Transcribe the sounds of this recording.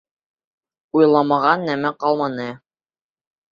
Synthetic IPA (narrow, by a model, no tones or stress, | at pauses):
ujlˠɑmɑʁɑnːæmæqɑlˠmɑnɤ